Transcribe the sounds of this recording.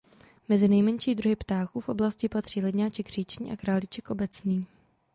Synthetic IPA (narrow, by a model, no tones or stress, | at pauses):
mɛzɪnɛjmɛɲʃiːd̪ɾuɦɪpt̪aːxuːfʔo̞blascɪpat̪r̝̥iːlɛdɲaːt͡ʃɛɡr̝iːt͡ʃɲḭːʔakɾaːlɪt͡ʃɛkʔo̞bɛt͡sniː